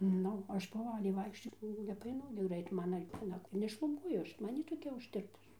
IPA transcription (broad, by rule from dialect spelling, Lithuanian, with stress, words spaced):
ˈnʊ ˈɐʃ poːˈʋɑːlʲɛɪ ˈʋɐɪkʃʲt͡ʃʲoː nʲɛpɐˈɐɪnʊ ɡʲɪ ˈɡrɐɪt ˈmɑːnɐ ʋʲiɛˈnɐ nʲɛʃlˠʊˈbuɔjʊ ˈɐʃ ˈmɐn jiː toːˈkʲɛ ʊʃʲˈtʲɪrpʊs